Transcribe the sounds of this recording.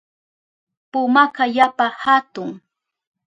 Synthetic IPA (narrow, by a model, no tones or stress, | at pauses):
pʊmakajapahat̪ʊŋ